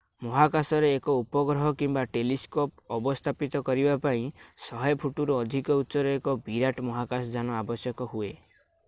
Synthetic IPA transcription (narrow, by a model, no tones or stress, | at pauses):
mɔɦakasɔɾeːkɔupɔɡɾɔɦɔkimbaʈeliskopɔbɔst̪ʰapit̪ɔkɔɾibapaĩsɔɦɔjɔpʰuʈuɾɔːd̪ʱikɔut̪ːsɔɾɔekɔbiɾaʈmɔɦakasɔd͡ʒanɔabɔsjɔkɔɦue